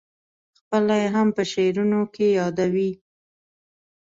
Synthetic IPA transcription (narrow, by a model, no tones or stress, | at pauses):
xpəlajeɦampəʃeɾunokejɑd̪awi